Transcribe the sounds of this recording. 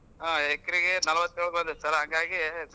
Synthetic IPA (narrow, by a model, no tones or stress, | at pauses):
aːekːɐɾiɡenɐlɐʋɐt̪ːeːɭkbɐnd̪ɐsɐlɐɦɐŋɡaːɡi